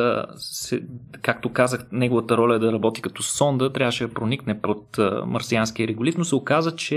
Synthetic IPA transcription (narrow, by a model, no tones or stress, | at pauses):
əsɛkak̚t̪okazəxnɛɡovɐt̪əɾɔlʲəɛd̪ɐɾɐbɔt̪i̥kɐt̪ɔsɔnd̪ət̪ɾʲavəʃɛd̪ɐpɾoniknɛpot̪mɐ̰ɾsianskiəɾɛɡolit̪nosɛokazət͡ʃɛ